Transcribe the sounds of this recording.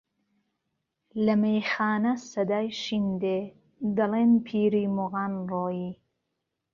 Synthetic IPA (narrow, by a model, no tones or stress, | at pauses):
lɐmejxaːnɐsɐd̪aːjʃind̪e | d̪ɐlenpʰiːɾiːmʊɣaːnroːjiː